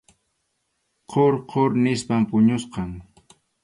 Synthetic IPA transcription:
qʰoɾqʰoɾnɪspampʊɲʊsqɑŋ

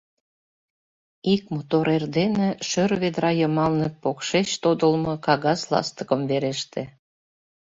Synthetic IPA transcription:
ik̚mot̪oɾerd̪enĕʃøɾβed̪ɾɑjəmɑlnepokʃet͡ɕt̪od̪əlmɤ̆kɑɣɑslɑ̰st̪ə̥kə̆mveɾeʃt̪ĕ

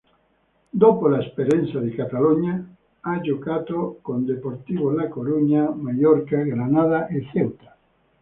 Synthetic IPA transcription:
d̪opolaespeɾenθaðekat̪aluɲa | ad͡ʒokat̪okond̪epoɾt̪iβolakoɾuɲamajoɾkaɣɾanaðaʔeθewt̪ḁ

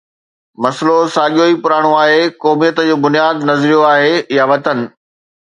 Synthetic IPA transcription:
mɐslosaːɠijoːipʊɾaːɽ̃oaːɦekɔːmijət̪əd͡ʑoːbʊnijaːd̪nɐzɾijoaːɦejaʋɐt̪ən̆

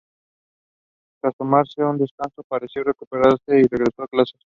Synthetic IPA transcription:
kast̪omaɾseund̪ɪskansopaɾesorekupeɾaɾseideɡɾesoɾaklase

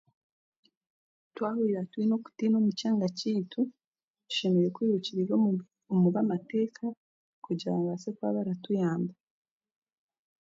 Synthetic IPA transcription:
twaːhuiɾatwino̞ku̥timoːmicaːŋɡaciːtʰu | tu̥ʃe̞meɾekwiɾuciɾiɾo | omuβamate̞ːkʰa | kuɟaaŋɡasekwa̰ːβaɾatujaːmba

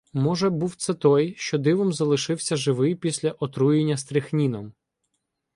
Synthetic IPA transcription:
mɔʒɛbuwt̪sɛt̪ɔjʃt͡ʃɔd̪ɪʋɔmzɐlˠɪʃɪwsʲɐʒɪʋɪjpʲisʲlʲɐʔɔt̪ɾujenʲːɐst̪ɾɪxnʲinɔm

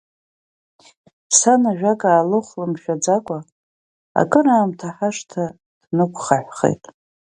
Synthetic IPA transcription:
sanaʒᶣakʼaːlɨχʷlɨmʃᶣad͡zakʷʼa | a̰kʼɨnaːmtʰaħaʂtʰa | d̥nɨkʷʰχaħʷχḛjtʼ

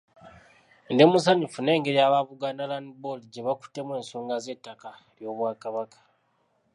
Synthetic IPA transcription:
ndemus̬anifune̞ːŋɡe̞ɾijaβaβuɡanalaniboldiɟeβaku̥tːe̞mwe̞ːnso̞ːŋɡaze̞tːaka | ɾjo̞ːβwaːkaβakḁ

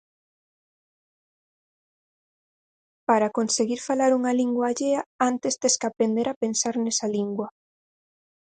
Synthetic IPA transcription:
paɾakonseɣiɾfalaɾuŋaliŋɡwaːʎeaant̪est̪eskapɾend̪eɾapensaɾnɛsaliŋɡwɐ

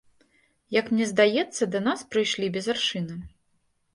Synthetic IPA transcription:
jɐkmnʲɛzd̪ajɛt̪sːɐd̪ɐnaspɾɨjʂlʲibʲɛzarʂɨnɨ

